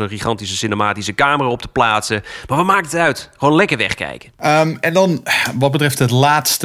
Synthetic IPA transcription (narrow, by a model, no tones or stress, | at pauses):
ənχiχɑntisəsɪnemaːtisəkaːmərəɔp̚tə̥plaːtsəmarʋəmaːkəətœɥtχoːnlɛkərʋɛ̰χkɛ̰jkəəɛndɑnʋɑt̚bətrɛftɦətlaːtst